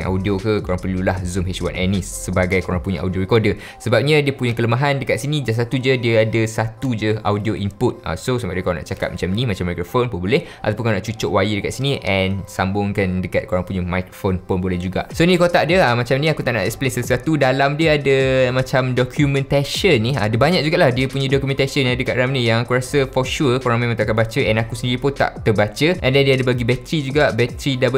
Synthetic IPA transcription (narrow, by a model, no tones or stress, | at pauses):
ʔa̰wdiokəkoɾaŋpəlulahzumɦet͡ʃwa̰nʔɛnissəbaɡajkoɾaŋpuɲaʔa̰wdioɾikɔrdə | səbap̚ɲãdiəpuɲakələmaɦandəkat̪̚sinid͡ʒas̬at̪ud͡ʒədiəadəsat̪ud͡ʒəawdioʔimpʊt̪̚a̰sosambaʔdiəkalana̰ʔt͡ʃakat̪̚mat͡ʃaminimat͡ʃamːajkɾofonpʊnbolɛhʔat̪awpuʊnkanãʔt͡ʃut͡ʃʊʔwajidəkat̪̚siniʔɛnsambʊŋkandəkat̪̚koɾaŋpuɲəmajkɾofonponbolɛhd͡ʒuɡa̰ʔsonĩkot̪aʔdiəəmãt͡ʃaminĩakut̪aʔna̰ʔɛ̰ksplensəlsat̪udalamdiəadəmãt͡ʃamdɔkʰjumɛ̃nt̪asiənːĩadəbaɲaʔk̚d͡ʒuɡaʔlahdiəpuɲãdɔkumɛ̃nt̪asiənãdəkat̪ʔɾamnijaŋakuɾasəfɔʃukoɾaŋmẽmãŋt̪aʔkanbat͡ʃəʔɛnakusəndiɾipʊnt̪a̰ʔt̪əbat͡ʃəʔɛndɛndiəadəbaɡibɛt̪ɾid͡ʒuɡaʔbɛt̪ɾidab